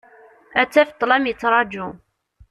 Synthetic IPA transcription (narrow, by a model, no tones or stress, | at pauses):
æt͡sːæfət̪ˤːlæmjət͡sːɾˤɑd͡ʒu